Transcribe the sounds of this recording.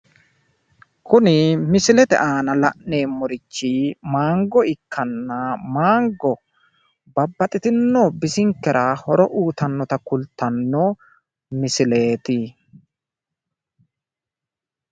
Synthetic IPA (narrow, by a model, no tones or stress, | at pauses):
kʊnɪmɪsɪlɛt̪ɛ̰ʔaːnɐlɐʔne̞ːmːɔɾɪt͡ʃːɪmaːŋɡɔɪkːɐnːɐmaːŋɡɔ | bɐbːɐt̪ʼɪt̪ɪnːobɪsɪŋkːɛɾʔɐhɔɾɔʔuːt̪ɐnːɔt̪ɐkʊlt̪ːɐnːɔ | mɪsɪle̞ːt̪ɪ